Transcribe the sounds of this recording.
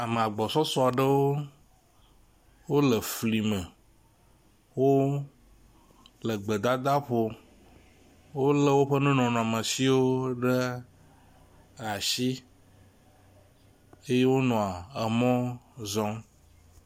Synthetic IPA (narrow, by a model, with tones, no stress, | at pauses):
a˨me˨a˨ɡ͡bɔ˨sɔ˦sɔ˦a˨ɖə˦wo˦ | wo˦lə˨fli˨mə˨ | wo˦ | lə˨ɡ͡bə˨d̪a˦d̪a˦ɸo˨ | wo˦lə˦wo˦ɸə˦nũ˦nɔ̃˨nɔ̃˨a˨mə̃˨si˦wo˦ɖə˦ | a˨ʃi˦ | e˦je˦wo˦nɔ̃˨a˨ə˨mɔ̃˦zɔ̃˦